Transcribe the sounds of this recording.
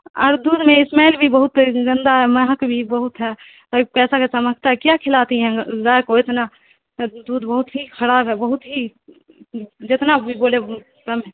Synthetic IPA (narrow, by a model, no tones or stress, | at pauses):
ɔ̰ːɾd̪uːd̪mẽɪsmɛːlbʱibəɦʊt̪zɪ̃nd̪aɦɛməɦəkbʱibəɦʊt̪ɦɛː | t̪ɔipɛːsakesəməɡ̚t̪aɦɛkjakʰɪlaːt̪iɦɛ̃zaːekoɪt̪na | d̪uːd̪bəɦʊt̪ɦikʰəɾaːbɦɛbəɦʊt̪ɦi | d͡ʒɪt̪nabʱiboːle | kəmɦɛ̃